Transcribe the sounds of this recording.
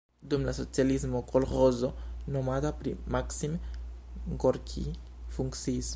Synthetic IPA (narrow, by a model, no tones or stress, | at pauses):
dumlaso̞t͡sialismokʰolχozonomatapɾḭmaksim | ŋkoɾkʰḭ | fuŋkt͡siːs